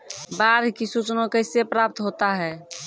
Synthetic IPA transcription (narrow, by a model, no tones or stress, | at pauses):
baɾkisut͡ʃnõkəɪsepɾap̚t̪ɦot̪aɦɛː